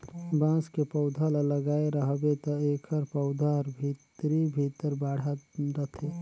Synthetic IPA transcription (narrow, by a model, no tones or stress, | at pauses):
bãːskepəʊd̪ʱalaləɡaːeɾəɦbet̪ɔeːkʰəɾpəʊd̪ʱaɾbʱit̪ɾibʱit̪əɾbaːɽ̤aɾət̪ʰe